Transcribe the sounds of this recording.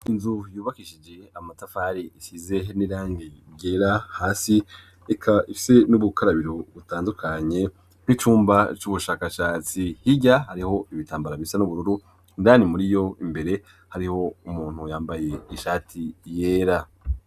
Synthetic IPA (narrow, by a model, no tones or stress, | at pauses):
inzujuːβakiʃid͡ʒe̞amatafaːɾiisize̞niɾaːŋɡiɟeːɾahaːsi | ekʰaifi̥se̞nuβukaɾaβiɾo̞βutaːndukʰaɲe̞ | n̥it͡ʃuːmbat͡ʃuβuʃaːkaʃaːt͡sihiɟahaɾiho̞iβitaːmbaɾaβisanuβuɾuɾu | indaːnimuɾijo̞imbe̞ɾe̞ | haɾiho̞umuːn̥hujaːmbaje̞iʃaːtʰijeːɾa